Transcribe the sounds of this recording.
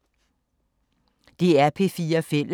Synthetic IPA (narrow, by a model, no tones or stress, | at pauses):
d̥e̝æɐpʰe̝fiːɐfel̰